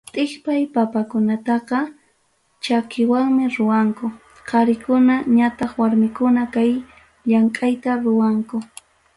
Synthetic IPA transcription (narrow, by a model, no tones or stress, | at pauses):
t̪ʼɪχpajpapakʊnat̪ɑqɑ | t͡ʃakɪwaŋmɪɾʊwaŋkʊ | qʰɑɾɪkʊnaɲat̪ɑχwaɾmɪkʊnakaj | ʎaŋkʼajt̪aɾʊwaŋkʊ